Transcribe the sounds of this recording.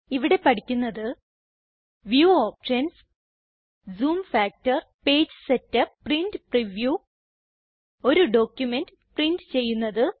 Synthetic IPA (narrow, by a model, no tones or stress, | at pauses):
iʋiɽe̞pɐɽikʲːunːɐðɨ | ʋjuːoːpʂɐns | zuːmfaːk̚tɐrpe̞ːd͡ʑɨsetːɐprindɨpriʋjuː | o̞ɾuɖo̞ːkʲːjume̞ndɨprindɨt͡ɕe̞jːunːɐðɨ